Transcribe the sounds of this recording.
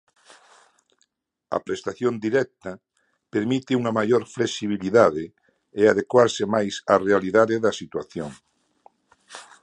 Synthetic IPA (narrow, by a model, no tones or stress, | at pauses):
a̰pɾest̪aθjond̪iɾɛk̚t̪a | peɾmit̪euŋamajoɾflesiβ̞iliðaðe | eaðekwaɾsemajsarealiðaðeðɐsit̪waθjo̰ŋ